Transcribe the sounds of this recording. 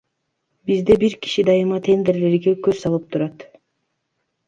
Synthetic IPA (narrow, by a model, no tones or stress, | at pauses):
bizd̪e̞biɾki̥ʃid̪ɑjɯmɑt̪ʰe̞nd̪e̞ɾle̞ɾɡekøzsɑlˠɯp̚t̪ʰuɾɑt̪